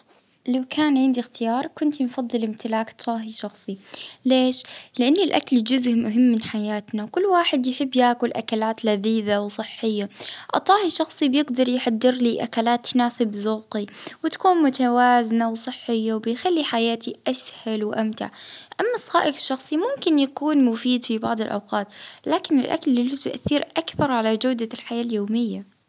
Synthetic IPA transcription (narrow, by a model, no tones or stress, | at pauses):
lawkʰaːnʕɪnd̪ixt̪ɪjɑːɾˤkʊnt̪ɪmfɑðˤːɨlɪmt̪ɪlaːkt̪ˤʰɑːɦiʃɑxsˤileːʃlɪʔanːɪlʔakald͡ʒʊzmʊɦɪmːɪnħajaːt̪nawkʊlːwaːħɪd̪jħɪbːjaːkʊlʔakalaːt̪laðiːðawsˤɨħːɪjːaʔɑt̪ˤːɑːhiʃɑxsˤibjɪɡd̪ɑɾˤjħad̪ːɪɾliʔakalaːt̪ːnaːθɪbzuːqiwɪt̪ḁkuːnmʊt̪awaːznawsˤɨħːɪjːawbɪjxalːiħajaːt̪iʔashalwʔamt̪a̰ʕʔamːasˤɑ̥xɑ̰ːʔɪqʃːɑxsˤimʊmkɪnjakuːnmʊfiːd̪fibɑʕd̪ˤɪlʔa̰wqɑːt̪laːkɪnɪlʔa̰klːɪlt̪ʔa̰θːiːɾʔakbɑɾˤʕalad͡ʒawd̪alħajaːljoːmɪjːa